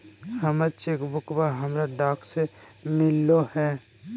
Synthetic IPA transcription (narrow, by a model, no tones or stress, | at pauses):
həmaɾt͡ʃeːkbʱʊkbaɦəmɾaɖaːksemɪlːohɛ̃ː